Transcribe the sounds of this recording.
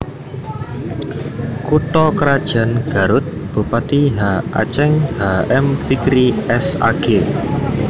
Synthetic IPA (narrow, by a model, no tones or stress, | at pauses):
kut̪ɔkəɾad̥ʒ̥a̤nɡ̥a̤ɾʊt̪̚b̥ṳpat̪iɦaa̰t͡ʃɛŋhaɛmfikɾiɛsa̰ɡ̥ɪ